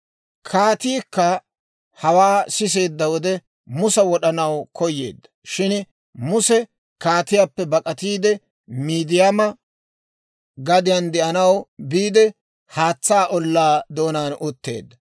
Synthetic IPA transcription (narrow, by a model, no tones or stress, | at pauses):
kʰaːt̪iːkːɐ | hɐwaːsɪs̬e̞ːd̪ːɐwɔd̪ɛ | mʊsɐwɔɗɐnɐwkɔjːḛːd̪ːɐ̥ʃɪn | mʊsɛ | kaːt̪ɪjapːɛbɐkʼɐt̪iːd̪ɛ | miːd̪ɪjamɐ | ɡɐd̪ɪjɐnd̪ɛʔɐnɐwbiːd̪ɛ | haːt͡sːaːʔɔlːaːd̪oːnaːnʔʊt̪ːe̞̰ːd̪ːɐ